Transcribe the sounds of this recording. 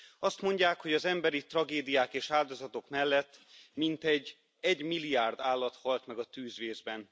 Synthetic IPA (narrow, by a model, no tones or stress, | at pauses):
ɒst̪mo̞ɲɟaːkho̞ɟɒzɛmbɛɾit̪rɒɡeːd̪ijaːkeːʃaːld̪o̞zɒt̪o̞kmɛlːɛt̪ːmint̪ɛɟ | ɛɟmilːiaːrd̪aːlːɒt̪hɒlt̪mɛɡɒt̪yːzʋeːzbɛn